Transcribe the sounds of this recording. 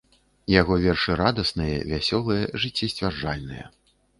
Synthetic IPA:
jaɣɔvʲɛrʂɨɾad̪ɐsnɨjɛ̰vʲasʲɔlˠɨjɛʐɨt͡sʲːisʲt͡sʲvʲarʐalʲnɨjɛ̰

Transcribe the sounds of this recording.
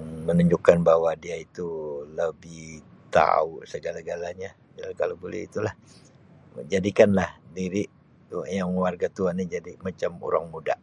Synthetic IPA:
mənuɲd͡ʒʊkːanbawadiait̪uləbɪhht̪a̰usəɡalaɡalaɲa | d͡ʒalakalobolɛ̰ḭt̪ulah | d͡ʒadikanlahdiɾi | tjaŋwarɡat̪uanid͡ʒadimat͡ʃamo̰ɾa̰ŋmuda̰

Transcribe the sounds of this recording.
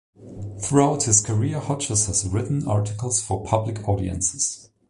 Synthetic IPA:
θɹuaʊt̚hɪz̥kʰə˞iɹhɔt͡ʃəshəzɹɪʔn̩ɑɹtɪkəl̩ˠz̥fə˞pʰʌblɪkʰɔɾḭɨ̰̃nsɪ̥z̥

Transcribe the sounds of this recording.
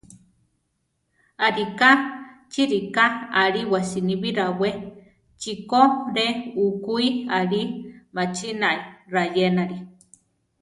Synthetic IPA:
aɾikat͡ʃiɾikaaɾiwasiniβiɾawe | t͡ʃikoɾeukuiaɾimat͡ʃinaiɾajenaɾi

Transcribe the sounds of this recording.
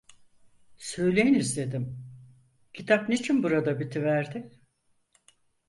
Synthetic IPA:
sø̞jlʲejinizd̪e̞d̪im | cʰit̪ʰap̚net͡ʃʰinbuɾad̪abit̪ʰivæɾd̪ɪ

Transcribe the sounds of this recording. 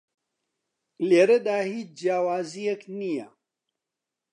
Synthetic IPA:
leːɾɐd̪aːhiːt͡ʃd͡ʒjaːwaːzijeknija

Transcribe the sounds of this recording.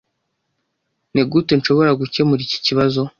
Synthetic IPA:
neɡutenʃo̞βo̞ɾaɡuce̞muɾici̥ciβazo̞

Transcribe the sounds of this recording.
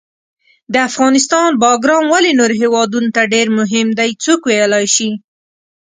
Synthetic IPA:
d̪əafɣɑnɪst̪ɑnbɑɡɾɑmwalenoɾɦewɑd̪unot̪aɖeɾmʊɦɪmd̪ajt͡sukwejəlɑjʃi

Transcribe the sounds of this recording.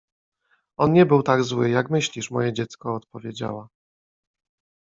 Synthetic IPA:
ɔnɲɛbɘwt̪aɡzwɘjakmɘɕlʲiʂmɔ̰jɛd͡ʑɛt̪skɔːt̪̚pɔvʲjed͡ʑa̰wa

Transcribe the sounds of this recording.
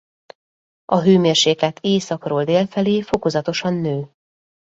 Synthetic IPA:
ɒɦøːmeːrʃeːkɛt̪ʰeːsɒkroːld̪eːlfɛleːfo̞ko̞zɒt̪o̞ʃɒnːøː

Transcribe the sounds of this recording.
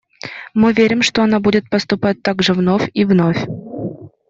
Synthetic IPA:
mɨvʲeɾʲɪmʂt̪oɐnabudʲɪt̪̚pəst̪ʊpat̚ʲt̪aɡʐɨvnofʲivnofʲ

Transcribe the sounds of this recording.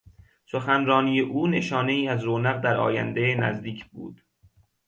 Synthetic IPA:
soxænɾɒːniːjeʔuːne̞ʃɒːne̞iːæzɾoːnæɣd̪æɾɒ̰ːjæ̰nd̪enæ̰zd̪iːcʰbṵːd̪̥

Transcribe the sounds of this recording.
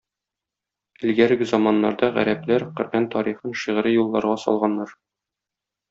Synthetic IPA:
ɘ̆lɡæɾɘɡɘzɒmɑnːɑ̰ɾd̪ɑʁæ̰ɾæplæɾqɵ̆ɾʔænt̪ɒɾiχɤnʃiʁ̆ɾɘjulˠːɑɾʁɑsɒ̰lˠʁɑnːɑɾ

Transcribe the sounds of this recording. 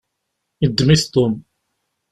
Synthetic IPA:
id̪ːmiθt̪ʊm

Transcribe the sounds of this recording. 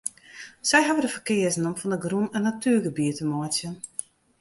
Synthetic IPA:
sɛjɦavədəfəkɪəzn̩ɔmfɔndəɡrunənːatyəɡəbiətəmɔsjən

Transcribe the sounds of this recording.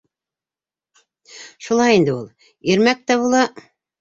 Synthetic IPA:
ʃulˠɑjind̪ɘulˠ | iɾmæk̚t̪æβulˠɑ

